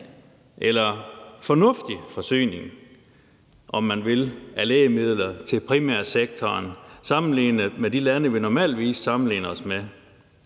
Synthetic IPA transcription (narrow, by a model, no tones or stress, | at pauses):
ʔelɐfɒ̽nɔ̽fd̥ifɒ̽sy̰ːne̝ŋ | ʔɒ̽mːænʋe̝læleːəmið̞̰ˠlɐt͡sʰe̝lpʰʁimæɐ̰seɡ̥̚t͡sʰɒːnsɑ̈mn̩liːnəmed̥ilænəʋinɒmɛ̰ːld̥ʋḭːsːɑ̈mn̩lḭːnəɒsme